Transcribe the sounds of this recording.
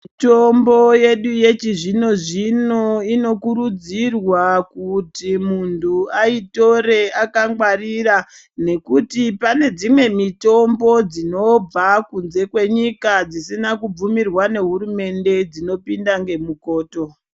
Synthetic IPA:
itombo̞je̞ɗuje̞t͡ʃiʐino̞ʐino̞ino̞kuɾud͡zirwakutimuntʰuaito̞ɾe̞akaŋɡwarira | ne̞kutipane̞d͡zimwe̞mito̞mbo̞d͡zino̞b͡vakunze̞kwe̞ɲikad͡zisinakub͡vumirwane̞ɦuɾume̞nde̞d͡zino̞pindaŋɡe̞muko̞ːto̞

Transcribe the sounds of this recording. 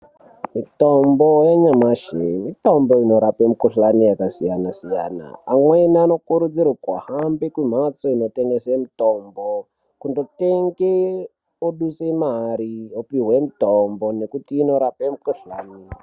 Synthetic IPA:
mitombojeɲamaʃemitomboino̞ɾapemukuɬanijakasijanasija̰ːna̰ːmwenano̞kuɾud͡zirakwa̰hambekwim̤at͡soino̞teŋɡesemutombo | kundo̞teŋɡe | oɗusemaɾiopiɦwemutombone̞kutiːno̞ɾapemukuɬaːni

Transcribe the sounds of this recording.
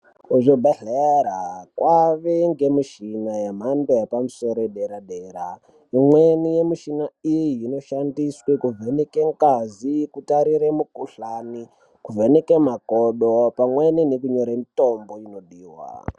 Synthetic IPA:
kuʐobʱeɮeɾakwʔaʋeŋɡe̞miʃinajam̤anbojapamuso̞ɾoeɗeɾaɗeɾa | imwenijemiʃinaijjino̞ʃandiswekuvenekeŋkazikutaɾiɾemukuɬani | kuvenekemakoɗopamweninekuɲo̞ɾamito̞mboino̞ɗiːwa̰

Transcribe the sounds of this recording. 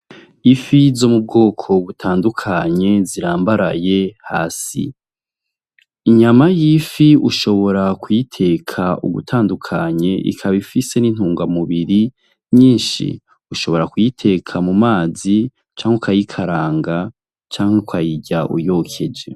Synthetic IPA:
ifizomub̚ɡo̞ːkʰo̞βutʰaːndukʰaɲe̞ziɾaːmbaɾaje̞ha̰ːsḭ | iɲamajifiuʃo̞βo̞ɾakujitʰe̞kʰaṵɡṵtʰaːndukʰaɲe̞ʔḭkʰaβifise̞nin̥huːŋɡamuβiɾi | ɲiːnʃḭ | uʃo̞βo̞ɾakujitʰe̞kʰamumaːzi | t͡ʃaːŋhekajikʰaɾaːŋɡa | t͡ʃaːŋhekʰajiɟaʔṵjo̞kʰe̞d͡ʒe̞

